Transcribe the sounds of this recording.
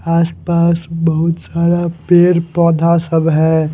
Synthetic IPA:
aːspaːsbɐɦʊt̪saːd̪apeːɾpɔːd̪ʱasɐbɦɛː

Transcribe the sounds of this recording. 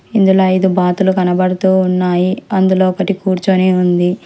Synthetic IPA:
ind̪uloːjd̪ubaːt̪ulukɐnɐbɐɽɐt̪uːnːaːjiɐnd̪ulo̞ːɔkɐʈikuːɾt͡ʃoːneːund̪i

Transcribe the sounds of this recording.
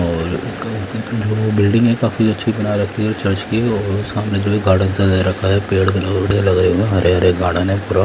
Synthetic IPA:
ɔːɾkd͡ʒobɪlɖɪ̃ŋɡɛkaːfiɐtːʃʰibɐnaɾɐkʰːiɔɾt͡ʃɐɾt͡ʃkiɔːɾʊsɐmnẽd͡ʒoːbʱiɡʱaːɽənsadaɾɐkʰaɦɛpeːɽkɐlɐɡbɐɽelɐɡɾɐeũeɦɐɾeɦɐɾeɡʱaːɽãnẽpuɾa

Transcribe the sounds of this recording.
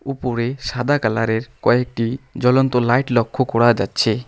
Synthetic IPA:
upoɾeʃad̪ʱakalaɾeɾkɔek̚ʈid͡ʑɔlɔnt̪olajʈlɔkʰːokɔɽad͡ʒa̰tːɕʰe

